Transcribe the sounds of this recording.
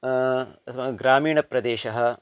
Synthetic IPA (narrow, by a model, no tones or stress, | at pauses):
ɐmɐɡɾaːmiːɳɐpɾɐd̪eːʃɐɦɐ̆